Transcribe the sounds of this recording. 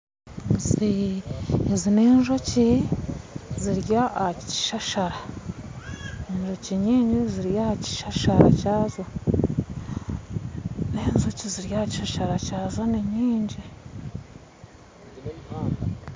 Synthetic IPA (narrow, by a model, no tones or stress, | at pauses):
z | zineːnʒo̞ci | ziɾjaci̥ʃaʃaɾa | eɲʒociɲiːɲɟiziɾjaaci̥ʃaʃaɾa̰caːzo | neːnʒociziɾjahci̥ʃaʃaɾacaːzoniɲiːɲɟi